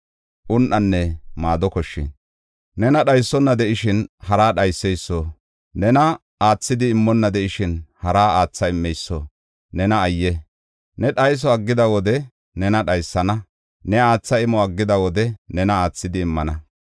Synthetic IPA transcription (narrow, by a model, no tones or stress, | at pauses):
ʔʊnʔɐnːɛmaːd̪ɔkɔʃːɪ̰n | nɛnɐɗɐjsːɔnːɐd̪ɛʔɪʃɪnhɐɾaːɗɐjsːɛjsːɔ | nɛnɐ | aːt͡sːɪd̪ɪːmːɔnːɐd̪ɛʔɪʃɪnhɐɾaːaːt͡sːɐɪmːɛjsːɔ | nɛnɐːjːɛ | nɛɗɐjs̬ɔɐɡːɪd̪ɐwɔd̪ɛ | nɛnɐɗɐjsːɐnɐ | nɛaːt͡sːɐɪmɔɐɡːɪd̪ɐwɔd̪ɛnɛnɐaːt͡sːɪd̪ɪːmːɐnɐ